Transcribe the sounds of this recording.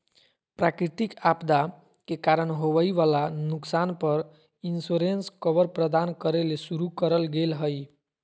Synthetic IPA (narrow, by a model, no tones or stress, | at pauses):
pɾakɾit̪ikapd̪a | kekaɾənɦoʋəjʋalanuksanpəɾ | insoɾenskəʋəɾpɾəd̪ankəɾelesuɾukəɾəlɡelɦəj